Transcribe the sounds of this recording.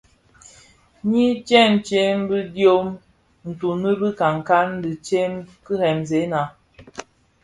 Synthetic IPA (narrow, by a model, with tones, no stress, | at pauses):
ɲi˦t͡ʃɛ˦n̩˨t͡ʃe˦m˦bi˦djo˦m | n̩˨tu˨ni˦bi˦ka˨ŋ˨ka˦n˦di˨t͡ʃe˦mkɨ˦hɛ˨mze˨˦na˨